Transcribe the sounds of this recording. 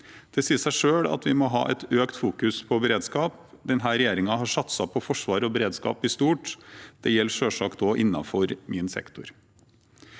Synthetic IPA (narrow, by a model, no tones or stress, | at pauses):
d̪̥ɛsiːəsæɪʂøːɽɑ̰t̪ʋɪmɔɦɑ̰ːʔɛ̰t̪øːkt̪fuːkʉspʰɔbɛɾeːd̪skɑːp | d̪ɛnɦæːɾɛjeːɾɪŋɑɦɑʂɑt̪sɑpʰɔfɔʂʋɑːɾɔbɛɾeːd̪skɑ̰ːpɪst̪uːʈd̪̥ɛjɛlːʂøːʂɑːkd̪oːʔɪnːɑ̰fɔɾmɪnsɛ̰kt̪ʊɾ